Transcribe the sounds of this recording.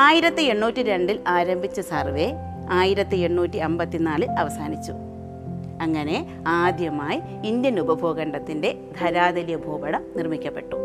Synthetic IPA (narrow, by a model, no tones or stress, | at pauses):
aːjiɾɐt̪ːie̞ɳːuːtːiɾe̞ɳɖilaːɾɐmbʱit͡ɕːɐsɐrʋe̞ | aːjiɾɐt̪ːie̞ɳːuːtːiɐmbɐt̪ːinaːɭiɐʋɐsaːnit͡ɕːu | ɐŋːɐne̞ | aːd̪ʱjɐmaːji | ind̪jɐnubɐbʱo̞ːɣɐɳɖɐt̪ːinde̞ | d̪ʱɐɾaːd̪ɐlijɐbʱoːbɐɽɐnirmikʲːɐpːe̞ʈːu